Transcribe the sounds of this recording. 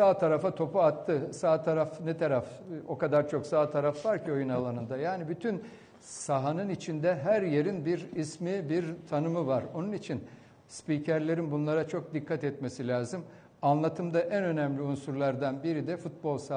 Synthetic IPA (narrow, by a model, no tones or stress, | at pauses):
saːt̪ʰaɾafat̪ʰo̞puat̪ʰːɯsaːt̪ʰaɾafnɛt̪ʰaɾaf | o̞kad̪aɾt͡ʃʰo̞ksaːt̪ʰaɾafvaɾcʰio̞junalˠanɯnd̪ajaːnibyt̪ʰyn | saɦanɯnit͡ʃʰind̪ɛɦæɾje̞ɾinbiɾismibiɾt̪ʰanɯmɯvaɾo̞nunit͡ʃʰin | spiːcʰæɾlʲe̞ɾinbunlˠaɾat͡ʃʰo̞k̚d̪ikʰːat̪ɛt̪mesilʲaːzɯm | anlˠat̪ʰɯmd̪aʔænø̞nɛmlʲiunsuɾlˠaɾd̪anbiɾid̪ɛfut̪̚bo̞lˠsa